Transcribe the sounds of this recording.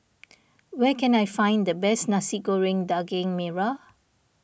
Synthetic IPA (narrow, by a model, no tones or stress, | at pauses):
wɛkɛ̃najfãj̃nd̪əbɛsnasiɡoɹɪ̃ŋdaɡɪ̃ŋmɛɹa